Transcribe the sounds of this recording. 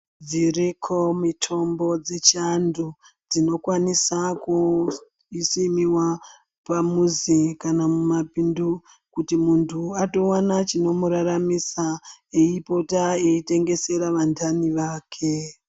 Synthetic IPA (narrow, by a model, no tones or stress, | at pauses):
d͡zirikʰo̞mitʰo̞mbo̞d͡zet͡ʃandu | d͡zino̞kwanisaku | isimiwa | pamuzikanamumapindu | kutimuntʰuato̞wanat͡ʃino̞muɾaɾamisaeipo̞taeite̞ŋɡe̞se̞ɾaʋandʰaniʋaːkʰe